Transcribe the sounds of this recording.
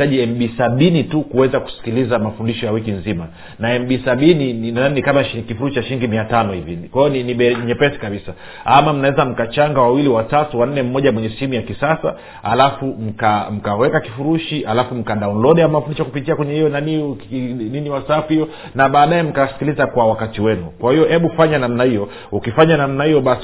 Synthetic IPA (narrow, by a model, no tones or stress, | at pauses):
taʄiɛmɓisaɓinitukuwɛzaku̥si̥kilizamafundiʃɔjawikinzima | naɛmɓisaɓinininaaninikamakifuɾuʃiaʃiliŋɡimiatanɔhivikwaijɔniniɓɛɲɛpɛsi̥kaɓisa | amam̩nawɛzam̩kat͡ʃaŋɡawawiliwatatuwan̩nːɛm̩mɔʄamwɛɲɛsɛhimujakisasa̰ | ha̰lafum̩kam̩kawɛkakifuɾuʃiʔalafum̩kaɗaunlɔɗjamafundiʃakupitiakwɛɲɛhijɔnani | niniwasaafuijɔ | naɓaːɗajɛm̩kasi̥kilizakwawakatiwɛnukwahijɔhɛɓufaɲanamnahijɔ | ukifaɲanamnahijɔɓas